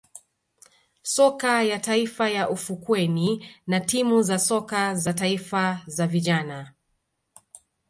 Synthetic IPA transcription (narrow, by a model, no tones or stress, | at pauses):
sɔkajataifajaʔufukwɛninatimuzasɔkazataifazaviʄana